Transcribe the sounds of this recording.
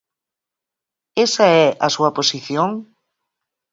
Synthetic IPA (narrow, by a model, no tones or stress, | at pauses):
esaɛʔɐsuɐposiθjoŋ